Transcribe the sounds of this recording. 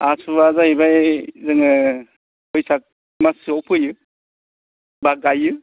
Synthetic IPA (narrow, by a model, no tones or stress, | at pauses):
asubazaibajzɯŋɯ | ɯjsak̚ | masiɔwpʰɯjɯ | baɡajɯ